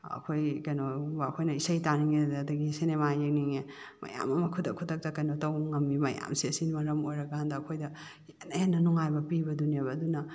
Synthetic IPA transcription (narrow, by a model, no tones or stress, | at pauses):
ɐ̰kʰojkɐjnobɐkʰojnɐisɐjtaniŋedːdɐɡisinemajek̚niŋe | mɐ̰ja̰mɐmɐkʰudɐkʰudɐk̚tɐkɐjnotɐwŋɐmimɐja̰msiɐsinmɐɾɐmojɾɐɡahandɐːkʰojdɐ | enɐjanːɐnɔŋajbɐpibɐduniebɐːdunɐ